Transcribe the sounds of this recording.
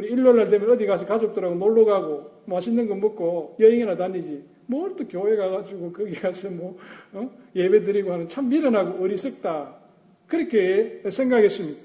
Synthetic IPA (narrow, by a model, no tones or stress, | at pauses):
uɾiːlːonːaɭtemʌnʌdiɡas̬ʰʌkad͡ʑok̚t͈ɯɾaɡonoɭːoɡaɡomaɕʰindɯnɡɯnmɯk͈ːojʌjiŋinatanːid͡ʑi | mʌɭtokjoheɡaɡad͡ʒuɡokɯɡeɡasʰɯmo | jebedɯɾiɡoɦanɯnt͡ɕʰamːiɾɯnaɡoʌɾisɯk̚t͈a | kɯɾekʰːesʰeŋɡakes͈ɯmɲida